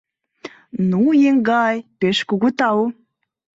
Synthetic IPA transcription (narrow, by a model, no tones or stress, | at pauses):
nujeŋɡɑjpeʃkuɣut̪ɑw